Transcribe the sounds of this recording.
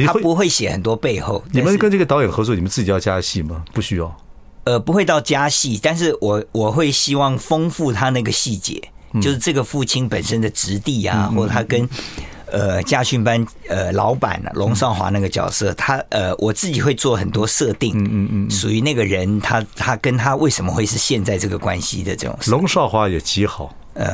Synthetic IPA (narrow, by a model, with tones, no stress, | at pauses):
apu˧˥xwe˥˩ɪɕjɛ˨˩xə̰˨˩nt̪wɔ˥pe˥˧ɪxo˥˩ʊt̪a˨˧mə˦nkə˥nʈ͡ʂɤ˥˩ɡə˩t̪ɑ˧˥jɛ˨˩nxɤ˧˥t͡swɔ˥˩i˨˩mə˦nt͡sɹ̩˥˩t͡ɕi˨˩jɑ˥˩ʊt͡ɕja˥ɕi˥˩mɐ˩pu˥˩ɕy˥jɑ˥˩ʊ | ə˧pu˧˥xwe˥ɪt̪ɑ˥˩ʊt͡ɕja˥ɕi˥˩t̪a˥˧nʂ̬ɻ̩˥˩wɔ˨˩wɔ˨˩xwe˥˩ɪɕi˥wɑ˥˩ŋfɤ˥ŋfu˥˩t̪ʰa˥na˥˧˩ɡə˩ɕi˥˩t͡ɕjɛ̰˧˥t͡ɕo˥˧ʊʂɻ̩˥˧ʈ͡ʂɤ˥˩ɡə˩fu˥˩t͡ɕʰi˥npə˨˩nʂə˥nd̪ə˨ʈ͡ʂɻ̩˧˥t̪i˥˩a̰˩xwɔ˥˩ə˨˩t̪ʰa˥kə˦˥n | ə˧t͡ɕja˥˧ɕy˥˩npa˥n | ə˧˩lɑ̰˧˥ʊpa̰˨˩n̰˨lʔʊ˧˥ŋʂɑ˥˩ʊxwa̰˧˥na˥˩ɡə˩t͡ɕjɑ̰˨˩ʊsɤ˥˩t̪ʰa˥ə˧wʔɔ˨˩t͡sɹ̩˥˩t͡ɕi˨˩xwe˥˧ɪt͡swɔ˥˩xə˨˩nt̪wɔ˥ʂɤ˥˧t̪i˥˩ŋ˧ʂu˨˩y˧˥na˥˩ɡə˩ɻə˧˦˥nt̪ʰa˥t̪ʰa˥kə˥nt̪ʰa˥we˥˩ɪʂə˧˥mə˧xwe˥˧ɪʂɻ̩˥˧ɕjɛ˥˧nt͡sa˥˧ɪʈ͡ʂɤ˥˩ɡə˩kwa˦nɕḭ˧˥d̪ə˨˧ʈ͡ʂɤ˥˩ʈ͡ʂʊ̰˨˩ŋʂlʊ˧˥ŋʂɑ˥˧ʊxwa˧˥jɛ˨˩t͡ɕi˧˥xɑ˨˩˦ʊ | ə̰˧